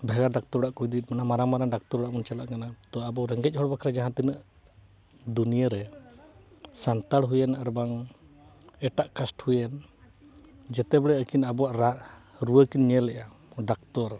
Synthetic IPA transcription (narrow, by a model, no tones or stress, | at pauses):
bʱɛɡaɖak̚t̪ɔɾɽaʔkujd̪it̪̚ˀmanamaɾamaɾaŋɖak̚t̪ɔɾɔɽaʔmunt͡ʃalaʔkanat̪ɔabɔɾɛŋɡɛc̚ˀhɔɽbakʰɾad͡ʒaɦãt̪inəʔ | d̪unijaɾɛ | sant̪aɽɦujɛnaɾɛbaŋ | ɛʈaʔkasʈhujɛn | d͡ʒɛt̪ɛbɛɽɛəkinabɔwaʔɾa | ɾuwəkinɲɛlɛʔa | ɖak̚t̪ɔɾ